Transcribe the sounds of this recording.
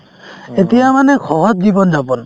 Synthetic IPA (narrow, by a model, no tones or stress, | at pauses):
et̪ijamanɛkʰɔɦɔt̪̚d͡ʒibɔnd͡ʒapɔn